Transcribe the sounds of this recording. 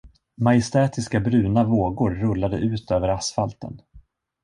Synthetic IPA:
majɪst̪ɛːt̪ɪskabɾʉ̟ːnavoːɡʊɾːɵlːad̪ə̰ʔʉ̟ːt̪ʰøːvəɾasfalt̪ə̰n

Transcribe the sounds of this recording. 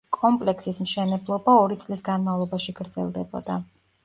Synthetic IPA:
kʼɔmpʼlɛksismʃɛnɛblˠɔbaɔɾit̪sʼlisɡanmavlˠɔbaʃiɡ̥ɾd̪zɛ̰lˠd̪ɛbɔ̰d̪̥a

